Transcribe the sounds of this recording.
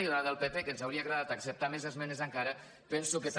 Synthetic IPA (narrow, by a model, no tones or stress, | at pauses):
iðaðəlˠpepekənzawɾiəaɣɾəðat̪əksəp̚t̪amezəzmɛnəzəŋkaɾə | pɛnsukəs